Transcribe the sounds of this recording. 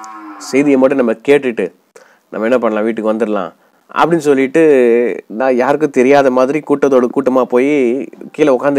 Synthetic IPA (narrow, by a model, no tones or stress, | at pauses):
sɛjðɪjɐmɐʈːɯnɐmːɐkeːʈːɯʈːɯ | nɐ̰mːɐɛnːɐpɐɳːɐlãːʋiːʈːɯkːɯʋɐnd̪ɯɾɐlã̰ː | ʔɐ̰pːɐɽɪnsɔlːɪʈːɯnãːjaːɾɯkːɯ̃t̪ɛɾɪjaːðɐmaːðɪɾikuːʈːɐðoːɽɯkuːʈːɐmaːpoːjikiːlɐʊkːaːnd̪